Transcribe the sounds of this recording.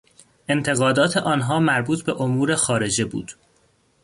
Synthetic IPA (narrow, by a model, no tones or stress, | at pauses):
ʔe̞nt̪ʰe̞ɣɒːd̪ɒːt̪ʰe̞ʔɒːnɦɒːmæɾbuːt̪ʰbe̞ʔomuːɾe̞xɒːɾe̞d͡ʒebṵːd̪̥